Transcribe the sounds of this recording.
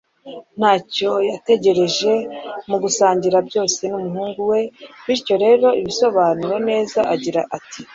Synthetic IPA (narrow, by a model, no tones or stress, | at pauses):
n̥haːco̞jate̞ɟe̞ɾe̞ʒe̞muɡusaːɲɟiɾabɟo̞ːse̞numuɦuːŋɡuwe̞βiɾco̞ɾe̞ːɾo̞iβiso̞βaːnuɾone̞ːzaʔaɟiɾaʔati̥